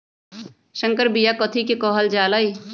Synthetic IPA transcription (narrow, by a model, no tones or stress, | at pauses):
ʃə̃ŋkəɾbijakɔt̪ʰikekɔːɦəld͡ʒaːlai